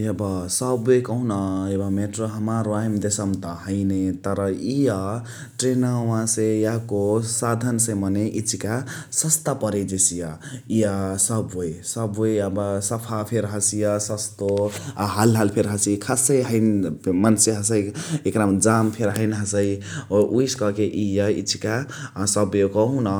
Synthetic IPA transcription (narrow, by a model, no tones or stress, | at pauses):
jʌbʌsʌbojkʌũnʌebʌmeʈroɦəmaɾwaɦimd̪esʌmt̪ʌɦəjnet̪ʌɾʌijʌ | ʈɾenauwãsejakosad̪ʱənsẽmʌneʔit͡ʃʰikasʌst̪apʌɾed͡ʒesijʌijʌsʌbojsʌbojabsəpʰapʰeɾɦəsijʌsəst̪oɦalɦalpʰeɾɦəsikʰasejɦəjnmənseɦəsəjekɾamd͡ʒampʰeɾɦəɪnɦəsəjʔujskʌkeʔijʌḭt͡ʃʰi̥kasʌbjokʌɦũnʌ